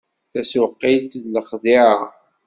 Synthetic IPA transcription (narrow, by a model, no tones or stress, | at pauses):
θæswəqːid̪ləχðiʕa